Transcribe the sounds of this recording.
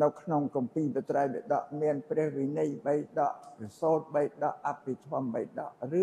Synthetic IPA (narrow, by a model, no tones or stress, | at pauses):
nɨwkʰnoŋkɑmpiːɓət̪rajɓɛ̰ɗɑ̰ʔmiənprɛ̆əhʋinijɓəjɗɑʔrisoːt̪̚ɓəjɗɑʔʔapːit̪ʰɔ̆əmɓə̰j̚ɗɑ̰ʔrɨ